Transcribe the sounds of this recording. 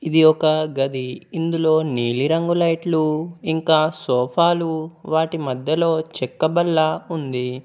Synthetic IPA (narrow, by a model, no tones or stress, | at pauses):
id̪iɔkɐɡɐd̪iːnd̪ulo̞ːniːliɾɐŋɡulɐjʈluiŋkaːsɔːpʰaːluʋaːʈimɐd̪ʱjɐlo̞ːt͡ʃɛkːɐbɐlːɐund̪i